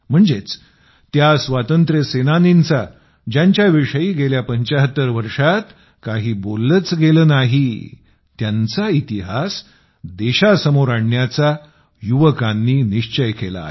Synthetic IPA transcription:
m̤əɳd͡zet͡s | t̪jasʋat̪ənt̪ɾjəsenanint͡sa | d͡ʑaɲt͡ɕjaʋiʂəiːɡeljapəɲt͡ɕaɦət̪ːəɾʋəɾʂat̪ | kaɦiːbolːət͡sɡeləːnaɦi | t̪jant͡sait̪iɦas | d̪eɕasəmoɾaɳjat͡sa | juʋəkãnːiːniʂt͡ɕəjkela̰

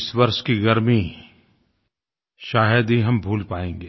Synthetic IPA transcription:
sʋɐɾʃkiɣɐɾmi | ʃaːɦəd̪ɦiɦɐmbʱuːlpaːẽːŋɡeː

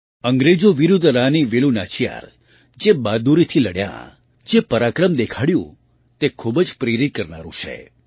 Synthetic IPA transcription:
əŋɡɾed͡ʒoʋiɾud̪ʱɾaniʋelunat͡ʃʰija̰ɾ | d͡ʒebad̪uɾit̪ʰiləɽjã̰ | d͡ʒepəɾakɾəmd̪ekʰaɽjṵ̃ | t̪ekʰubd͡ʒpɾeɾit̪̚kəɾna̰ɾṵ̃t͡ʃʰḛ

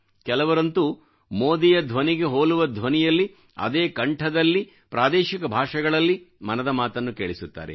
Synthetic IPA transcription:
kɛlɐʋɐɾɐnt̪u | moːd̪ijɐd̪ʱʋɐniɡe̞ɦoːɭuʋɐd̪ʱʋɐnijɐlːi | ɐ̰d̪eːkɐɳʈʰɐd̪ɐlːi | pɾaːd̪eːʃikɐbʱaːʂɐɡɐɭɐlːimɐnɐd̪ɐmaːt̪ɐnːukeːɭisut̪ːa̰ːɾḛ

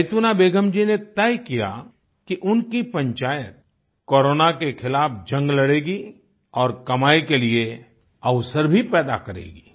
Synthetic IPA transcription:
jt̪uːnabeːɡʱəmd͡ʒinet̪ɛːjkija̰ | kiʔʊnkipɐ̃ɲt͡ʃaːjət̪̚ | koːɾoːnakexʰɪlaːpʰd͡ʒɐ̃ŋɡlɐɽeːɡi | ɔːɾkɐmaːikelie | ɐʋsəɾbʱipɛːd̪a̰kɐɾḛːɡiː

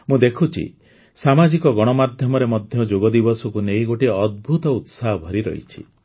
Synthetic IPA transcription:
mũd̪ekʰut͡ʃʰḭ | samad͡ʒikɔɡɔɽ̃ɔmad̪ʱjɔmɔɾemɔd̪ʱjɔd͡ʒoɡɔd̪ibɔsɔkunejɡoʈiɔd̪̚bʱut̪ɔut̪saɦɔbʱɔɾiɾɔ̰ɦḭt͡ʃʰḭ

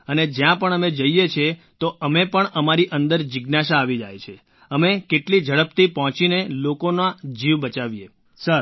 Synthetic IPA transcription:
əned͡ʒjãpəɳəmed͡ʒəijet͡ʃʰet̪oəmepəɳəmaɾiʔə̃nd̪əɾd͡ʒɪɡnaʃaːʋid͡ʒa̰jt͡ʃʰe | əmekeʈlid͡ʒʱəɭəpt̪ʰipɔɦɔ̃t͡ʃinelokonad͡ʒiʋbət͡ʃaʋje | səɾ

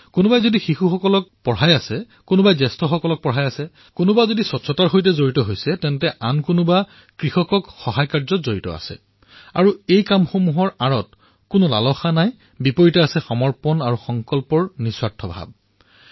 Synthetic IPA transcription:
kʊnʊbajzodixixuxɔkɔlɔk̚pɔɹajasɛ | kʊnʊbajzɛstʰɔxɔkɔlɔk̚pɔɹɦajasɛ | kʊnʊbazodisɔtsɔtaɹxojtɛzoɹitɔɦojsɛtɛntɛʔankʊnʊba | kɹixɔkɔkxɔɦajkaɹzɔtzoɹitɔ̰a̰sɛ̰ | a̰ɹuejkamxomuɦɔɹaɹɔt | kʊnɔla̰lɔxanaj | bipoɹitaasɛxɔmɔɹpɔnaɹuxɔŋkɔlpɔɹniswatʰɔbʱa̰b̚

